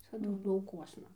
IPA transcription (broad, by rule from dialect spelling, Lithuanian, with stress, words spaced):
ˈʋʲɪsɐdʊ lˠɐʊˈkuɔsnɐ